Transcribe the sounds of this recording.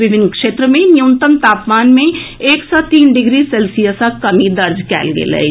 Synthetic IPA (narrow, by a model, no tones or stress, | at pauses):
ʋɪbʱɪnːkʃeːt̪ɾəmẽnjuːnt̪əmt̪aːpmaːnmẽ | eːksɔt̪iːnɖɪɡɾisɛːlsijəsakɐmid̪ɐɾd͡ʒkɛ̰ːlɡḛlɛ̰